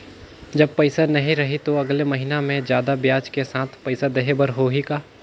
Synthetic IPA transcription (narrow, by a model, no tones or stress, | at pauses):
d͡ʒɐb̚pɐɪsanɐɦĩɾɐɦit̪oɐɡlemɐɦinamẽd͡ʒjaːd̪abjaːt͡ʃkesaːt̪ʰpɐɪsad̪eɦebəɾɦoɦikaː